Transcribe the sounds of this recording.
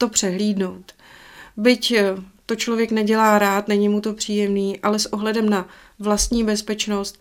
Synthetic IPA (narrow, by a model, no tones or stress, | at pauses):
t̪o̞pr̝̥ɛɦliːdno̞wt̪ | bɪct̪o̞t͡ʃlo̞vjɛknɛɟɛlaːɾaːt̪nɛɲimut̪o̞pr̝̥iːjɛmniːʔalɛsʔo̞ɦlɛdɛmna | vlast̪ɲiːbɛspɛt͡ʃno̞st̪̚